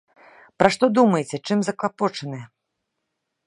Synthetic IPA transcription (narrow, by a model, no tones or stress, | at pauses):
pɾaʂt̪ɔd̪umɐjet͡sʲɛt͡ʂɨmzɐklˠapɔt͡ʂɐnɨjɛ